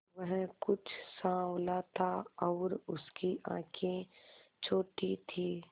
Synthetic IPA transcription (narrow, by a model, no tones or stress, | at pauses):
ʋəɦkʊt͡ʃʰsãːwlat̪ʰaɔːɾʊskiʔã̰ːkʰẽt͡ʃʰoːʈit̪ʰiː